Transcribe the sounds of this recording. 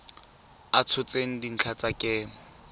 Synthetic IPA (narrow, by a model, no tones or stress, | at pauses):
at͡sʰʊt͡sʼeŋ̩din̩t͡ɬʰat͡sʼakʼeː